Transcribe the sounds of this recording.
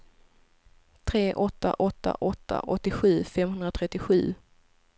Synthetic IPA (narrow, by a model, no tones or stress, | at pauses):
t̪ʰɾeːʔɔt̪ːa̰ʔɔt̪ːa̰ʔɔt̪ʰːa̰ʔɔt̪ːɪɧʉ̟ːfɛmːhɵnd̪ɾat̪ʰɾɛt̪ːɪɧʉ̟ː